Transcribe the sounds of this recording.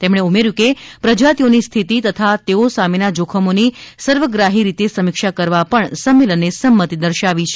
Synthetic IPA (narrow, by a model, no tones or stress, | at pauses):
t̪emɳ̃eumeɾjũkepɾəd͡ʒat̪ionist̪ʰit̪it̪ət̪ʰat̪eosamenad͡ʒokʰəmonisəɾʋəɡɾaɦiɾit̪esəmɪkʃakəɾʋapəɳsəmːelənːesəmːət̪id̪əɾʃaʋit͡ʃʰe